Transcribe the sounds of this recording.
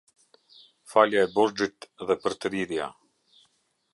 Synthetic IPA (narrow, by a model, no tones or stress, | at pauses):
faljaɛbɔɾd͡ʒit̪ðɛpəɾt̪əɾiɾja̰